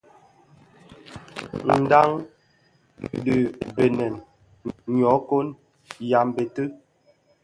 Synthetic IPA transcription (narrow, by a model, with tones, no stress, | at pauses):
n̩˨da˦ŋ | də˨be˨nɛ˨n | ɲɔ˨˦ko˦n | ja˨m˨be˨tə˦